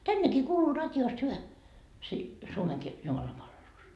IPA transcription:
tænːekiː kuːluː rɑtʲjoːst hyʋæ si suomeŋki jumɑlɑmpɑlʋelus

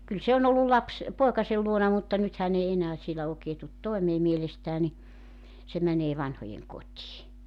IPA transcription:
kyl se on olːul lɑps poekɑsel luonɑ mutːɑ nyt hæn ei enæː sielæ oːkeː tut toemeː mielestæː ni se mæneː ʋɑnhojeŋkotʲiː

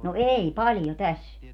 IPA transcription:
no ei pɑljo tæs

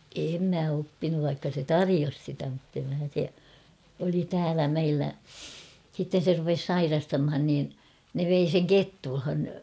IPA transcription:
em mæ opːinuʋ ʋɑikːɑ se tɑrijos sitæ mutːem mæ se oli tæːlæ meilːæ sitːen̞ se rupes sɑirɑstɑmhɑn niːn ne ʋei seŋ ketːulhɑn

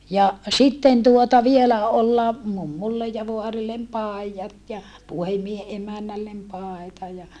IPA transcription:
jɑ sitːen tuotɑ ʋielæ olːɑ mumːulːej jɑ ʋoɑrilːem pɑˑi̯jɑt jɑ puhemˑiehe ʔemænːælːem pɑˑetɑ jɑ

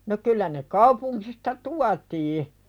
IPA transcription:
no kylːæ ne kɑupuŋkistɑ tuɑtiː

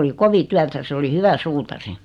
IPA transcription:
oli koʋi tyætæ se oli hyʋæ suːtɑri

